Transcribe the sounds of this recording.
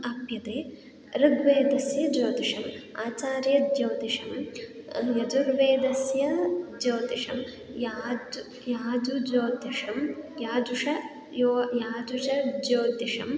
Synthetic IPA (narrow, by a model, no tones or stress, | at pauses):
ɐpjɐt̪eː | ɾɨɡʋeːd̪ɐsjɐd͡ʒoːd̪iʂɐmaːt͡ʃaːɾjɐd͡ʒ̪jɐːd̪iʂɐm | jɐd͡ʒuɾʋeːd̪ɐsjɐd͡ʒoːt̪iʂɐm | jaːd͡ʒ | jaːd͡ʒud͡ʒoːd̪iʂɐmjaːd͡ʒuʂɐ | joːjaːd͡ʒut͡ʃɐd͡ʒoːd̪iʂɐ̰m